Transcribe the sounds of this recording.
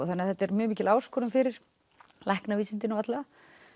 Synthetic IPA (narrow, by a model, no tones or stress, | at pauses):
ɔθanːaθɛht̪ːɛɾmjʏːmiːcɪlaːwskʰɔɾʏmfɪɾɪɾ̥ | lɛhknaviːsɪnt̪ɪnɔat̪laa